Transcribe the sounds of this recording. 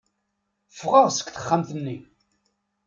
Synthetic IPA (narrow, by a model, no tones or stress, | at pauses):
fʁəʁsə̥kθə̥χːamθənːi